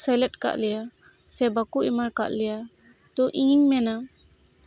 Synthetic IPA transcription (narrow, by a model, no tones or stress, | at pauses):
sɛlɛtka̰ʔlɛja | sɛbakuʔimaɾka̰ʔlɛja | t̪ɔʔĩɲmɛna